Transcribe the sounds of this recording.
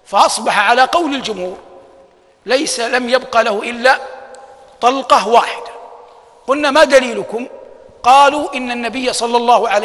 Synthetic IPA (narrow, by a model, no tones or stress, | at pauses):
faʔɑsˤbɑħaʕalaqɑwlɪld͡ʒʊmhuːɾ | lajsalamjabqɑlahʊʔɪlːa | t̪ˤɑlqɑwaːħɪd̪ḁ | qʊlnaːmad̪aliːlʊkʊm | qɑːluːʔɪnːanːabɪjːasˤɑlːɑlˤːɑːhʊʕal